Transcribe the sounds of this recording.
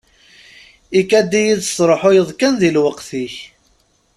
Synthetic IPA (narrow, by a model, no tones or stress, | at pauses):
ikæd̪ijiðsˤɾˤoħojəðˤkænðilwəqθiç